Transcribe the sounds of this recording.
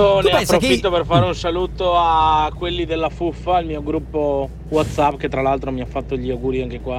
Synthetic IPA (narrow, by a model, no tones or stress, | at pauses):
oneapːɾofit̪ːoperfaːɾeunsaluːt̪oakːwelːid̪elːafufːailmiːoɡɾupːo | wat̪sapːket̪ːɾalalt̪ɾomiafːat̪ːoʎːiawɡuːɾiaŋk̟ekwa